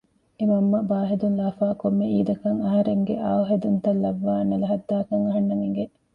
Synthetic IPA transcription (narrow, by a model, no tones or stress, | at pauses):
emɐmːɐbaːɦed̪unlaːfaːkomːeiːd̪ɐkɐŋɐɦɐɾeŋɡeʔaːɐɦed̪unt̪ɐlːɐʋːaːnɐlɐɦɐd̪ːaːkɐŋɐɦɐnːɐmiŋɡe